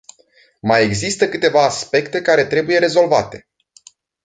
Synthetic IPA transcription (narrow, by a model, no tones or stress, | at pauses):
maje̞ɡzist̪əkɨt̪e̞vaːspe̞kt̪e̞kaɾe̞t̪ɾe̞buje̞ɾe̞zo̞lvat̪e̞